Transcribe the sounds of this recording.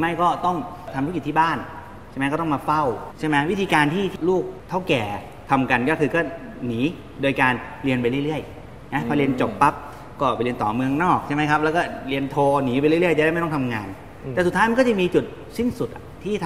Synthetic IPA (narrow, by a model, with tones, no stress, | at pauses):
ma˥˩jkɔː˥˩t̪ɔ˥˩ŋt̪ʰa˧mu˦˥ki˨˩t̪ʰiː˥˩baː˥˩n | t͡ɕʰjm˧˦jkɔː˥˩t̪ɔ˥˩maː˧fa˥˩wt͡ɕʰa˥˩jma˦˥wi˦˥t̪ʰiː˧kaː˧nt̪ʰiː˥˩t̪luː˥˩k̚t̪ʰa˥˩wkɛː˨˩ | t̪ʰa˧mka˧nkɔ˥˩kʰɯː˧kɔː˥˩ | niː˩˦ | doː˧jkaː˧n | li˧ənpa˧jɾɯ˥˩jɾɯ˥˩əj | na˦˥pʰɔː˧li˧ənt͡ɕo˨˩pːa˦˥p̚ | kɔː˥˩˨pjli˧ənt̪ɔː˨˩mɯ˧əŋnɔː˥˩k̚t͡ɕʰa˥˩ma˦˥jkʰa˦˥p̚lɛː˦˥wkɔː˥˩li˧ənt̪ʰoː˧niː˩˦pa˧jɾɯ˥˩˨ɯ˥˩jt͡ɕa˨˩a˥˩ma˥˩t̪ɔ˥˩t̪ʰa˧mŋaː˧n | t̪ɛː˨˩s̬u˨˩aː˦˥jma˧nkɔ˥˩t͡ɕa˨˩miː˧t͡ɕu˨˩t̪̚ | si˥˩nsu˨˩ʔa˨˩t̪ʰiː˥˩t̪ʰ